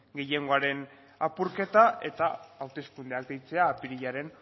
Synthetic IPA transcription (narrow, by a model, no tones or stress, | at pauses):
ɡe̞jeŋɡo̞aɾe̞n | apuɾke̞t̪aʔe̞̰t̪aːwt̪e̞skund̪eak̚d̪ejt͡se̞aːpiɾiʎaɾe̞n